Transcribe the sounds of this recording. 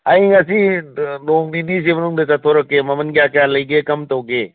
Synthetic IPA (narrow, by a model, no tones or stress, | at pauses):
ɐjŋɐsiloŋninis̬emɐnuŋdɐt͡ʃɐtʰoɾɐkːemɐmɐnɡiakjalɐjɡekɐmtɐwɡe